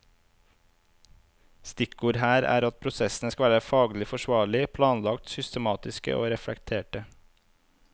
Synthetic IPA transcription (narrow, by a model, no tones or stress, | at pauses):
st̪ɪkuːɾhæːɾæ̰ːɾɑt̪̚pʰɾʊsɛsn̩əskɑʋæːɾəfɑːɡlɪfɔʃʋɑːɭɪpʰlɑːnlɑkt̪sʏst̪əmɑːt̪ɪskə̰ʔo̰ːɾɛfɽɛkt̪ʰeːʈə